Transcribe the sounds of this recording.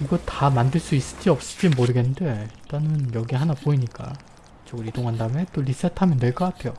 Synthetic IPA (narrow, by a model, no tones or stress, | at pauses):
iɡʌtamandɯɭs͈uis͈ɯ̥d͡ʑiʌp̚s͈ɯ̥d͡ʑimoɾɯɡennde̞t͈anɯnjʌɡiɦanapoiɲik͈a̰ | t͡ɕoɡɯɾidoŋɦandame̞t͈olis͈etʰamjʌnde̞ɭk͈ʌk͈atʰe̞jo